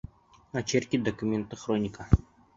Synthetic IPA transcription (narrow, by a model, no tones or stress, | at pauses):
ɐt͡ɕerʲkʲid̪ɐkumʲent̪əχronʲika